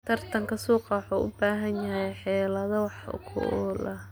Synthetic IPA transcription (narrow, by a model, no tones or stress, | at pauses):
t̪ʰɐrt̪ʰɐŋkʰɐsuːqɑwɑħuːʔʊ̰baːɦɐnjɐɦɛjħɛːlɐðɐwɑħʊ̰kʰʊ̰ʔːlɐ